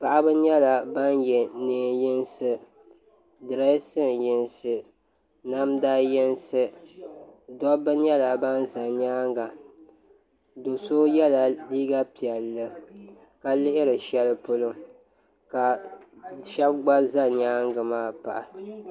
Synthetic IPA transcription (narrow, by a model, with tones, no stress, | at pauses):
pa˨ʔa˦bɨ˦ɲɛ˦la˨ba˦njɛ˨neː˨jɪ˦nsɨ˦ | dɨ˨ɾa˦sɨ˦˨njɪ˨nsɨ˦ | na˦mdaː˦jɛ˦nsɨ˦ | dɔ˦bɨ˦ɲɛ˦la˨ba˦nza˨ɲaː˦ŋɡa˨ | do˨so˦jɛ˦la˨liː˦ɡa˦pi˨ɛ˨llːɨ˦ | ka˨lɪ˦ʔɪ˦ɾɨ˨ʃɛ˦lɨ˦pʊ˦lʊ˦ŋ | ka˨ | ʃɛ˦b̚ɡ͡ba˦za˦ɲaː˦ŋɡɨ˨maː˦pa̰˨ʔa˨